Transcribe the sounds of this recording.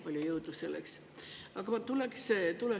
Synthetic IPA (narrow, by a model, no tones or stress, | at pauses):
olʲjijɤwd̪use̞̰lːḛks | ɑɡ̥ɑmɑt̪ulekset̪ule